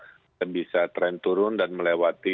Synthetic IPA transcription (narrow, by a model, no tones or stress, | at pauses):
abisat̪ɾɛnt̪uɾʊndanməlewat̪i